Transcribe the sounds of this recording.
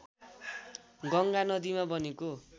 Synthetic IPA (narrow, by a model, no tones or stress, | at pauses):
ɡʌŋɡanʌd̪imabʌneko